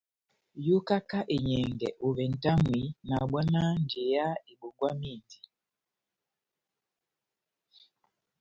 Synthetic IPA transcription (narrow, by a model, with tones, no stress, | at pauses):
ju˦ka˦ka˦ʔe˨ɲɛ˨ŋɡɛ˨ʔu˨βɛ˨n̩˨ta˦ŋwi˨na˨ɓɔ˦na˦n˨d͡ʒe˨ja˦i˨ɓu˨ɡwa˦mi˦˨nti̥˨